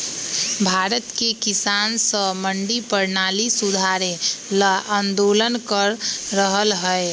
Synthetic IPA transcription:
bʱaɾət̪kekisansə̃məɳɖipəɾnalisud̪ʱaɾeləʔənd̪olənkəɾːəɦəlɦəe

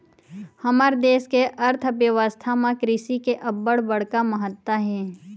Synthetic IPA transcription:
hɐməɾd̪eːskeʔɐɾt̪ʰʋjəʋəst̪ʰamãkɾɪʃikeʔɐbːəɽbəɽ̤kamɐɦət̪ːwaɦɛː

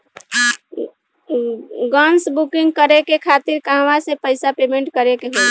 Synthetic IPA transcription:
ɡənsbukiŋɡ̚kəɾekekʰat̪iɾkaɦʋasepəɪsapemeɳʈkəɾekeɦoj

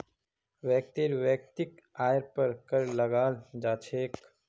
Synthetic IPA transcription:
ʋɛːk̚t̪iɾʋɛːk̚t̪ɪkaːjɾpəɾkəɾlɐɡaːld͡ʒaːt͡ʃʰeːk

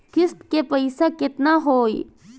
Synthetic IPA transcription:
kɪst̪kepəɪsakɪt̪naɦoːḭ

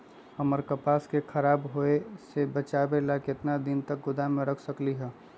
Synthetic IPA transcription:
ɦəməɾkəpaːskekʰəɾaːbɦoesebət͡ʃaːbelakɪt̪nad̪ɪnt̪ək̚ɡʊd̪amẽɾəkʰsəkliɦɛː

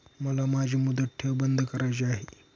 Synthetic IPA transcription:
məlamad͡ʑʱiːmud̪ətʈ̪ʰːebənd̪ʱkəɾajt͡ɕeaɦe

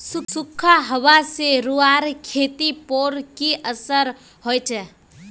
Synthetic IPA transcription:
susukʰːaɦəʋaseɾuaɾkʰet̪ipoɾkiʔəsəɾ | hojt͡ʃʰɛ

